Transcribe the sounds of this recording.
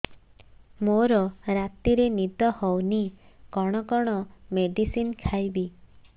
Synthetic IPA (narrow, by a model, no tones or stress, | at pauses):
moɾɔɾat̪iɾenid̪ɔhɔwni | kɔɽ̃ɔkɔɽ̃ɔmeɖisinkʰajbi